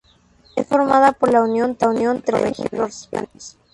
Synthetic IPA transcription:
esfoɾmaðapoɾlaunjo̞nt̪aunjont̪eɾorexḭβɾorespa̰nt̪es

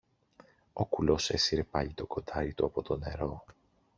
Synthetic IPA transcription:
o̞kulo̞se̞siɾe̞pɐʎit̪o̞ko̞d̪ɐɾit̪uɐpo̞t̪o̞ne̞ɾo̞

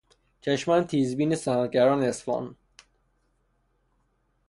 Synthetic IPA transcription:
t͡ʃʰæʃmænt̪ʰiːzbiːnesænɾɟæɾɒːneesfɒ̰ːn

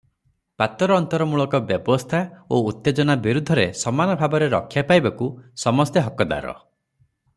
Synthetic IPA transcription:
pat̪ɔɾɔːnt̪ɔɾɔmuɭɔkɔbjɔbɔst̪ʰaout̪ːed͡ʒɔnabiɾud̪ʱːɔɾesɔmanɔbʱabɔɾeɾɔ̰kʰːjapajbakusɔmɔst̪eɦɔkɔd̪a̰ɾɔ̰

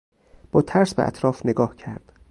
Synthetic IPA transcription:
b̥ɒːt̪ʰæɾsbḛʔæ̰t̪ʰɾɒːfneɡɒːhcʰæɾd̪̥

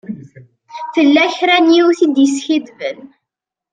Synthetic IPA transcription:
θəlːæçɾænjiwθid̪jəsçid̪vən

